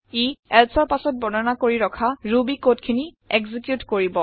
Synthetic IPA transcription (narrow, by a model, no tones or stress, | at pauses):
iɛlsɔɹpasɔt̚bɔnɔnakoɹiɹɔkʰaɹubikotkʰini | ɛɡzikjutkoɹibɔ